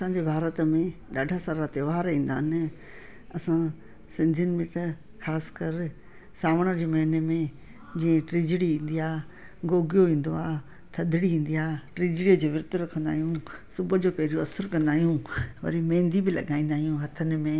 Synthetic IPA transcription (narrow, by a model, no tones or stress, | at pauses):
ɐsãːɲd͡ʑeːbʱaːɾət̪mẽɗaːɖʱasaːɾat̪eʋaːɾĩːn̆d̪aːɦɪnɪ̆ | ɐsã | sɪ̃nd̪ʱiʊnɪ̆bɪt̪ɐ | xaːsɪ̥kɐɾ | saːʋəɽ̃əd͡ʑeːmɐɦɪnemẽ | d͡ʑĩːẽʈɾɪd͡ʑɪɽiĩːn̆d̪ijaː | ɡoːɡijoʋĩːn̆d̪oaːɦ | t̪ʰɐd̪ʱɪɽiĩːn̆d̪iaːʈɾɪd͡ʑɽijəd͡ʑoːʋɪɾt̪ʊɾɐkʰə̃nd̪aːɦijũsʊbʱə̆d͡ʑoːpɐɦɪɾjoɐsəɾkɐ̃nd̪aːɦijũʋɐ̰ɾimẽːnd̪ibɪlɐ̰ɠaːĩnd̪aːɦijũɦɐt̪ʰənɪ̆mẽ